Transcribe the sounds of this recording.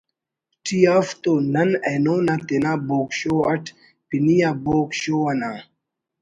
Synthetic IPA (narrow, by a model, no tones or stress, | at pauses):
tiaft̪onanɛnonat̪enaboːkʃoat | pinijabokʃoana